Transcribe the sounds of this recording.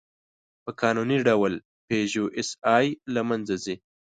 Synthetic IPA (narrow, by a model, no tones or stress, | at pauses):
pəkʰɑnuniɖawl | peʒoʔɪsɑjlamanzazi